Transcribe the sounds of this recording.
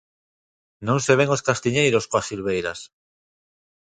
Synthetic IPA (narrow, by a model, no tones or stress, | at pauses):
nõŋseβeŋoskast̪iɲejɾoskoasilβ̞ejɾas